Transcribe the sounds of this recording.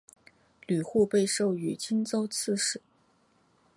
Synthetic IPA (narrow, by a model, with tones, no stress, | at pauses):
ly˨˩xu˥˧pe˥˧ɪʂo˥˩ʊy˨˩t͡ɕi˥nt͡so˥ʊt͡s̩ʰ˥˧ʂɻ̩˨˩˦